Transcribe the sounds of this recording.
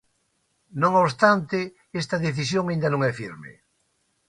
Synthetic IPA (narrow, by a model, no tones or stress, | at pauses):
nõŋoβst̪ant̪ɪ | est̪ɐðeθisjoŋaĩnd̪ɐnõŋɛfiɾmḛ